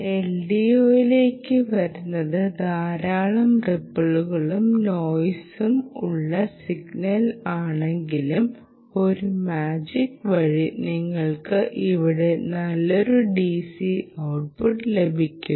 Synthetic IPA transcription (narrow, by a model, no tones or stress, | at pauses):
e̞lɖijo̞ːjile̞ːkːɨʋɐɾunːɐðɨd̪ʱaːɾaːɭɐmrepːɐɭuɣɐɭumno̞ːjsumuɭːɐsiɡnɐlaːɳe̞ŋɡilum | o̞ɾumaːd͡ʑikːʋɐɻiniŋːɐɭkɨʔiʋiɽe̞nɐlːoɾuɖisiɐwʈ̚puʈːle̞bʱikʲːu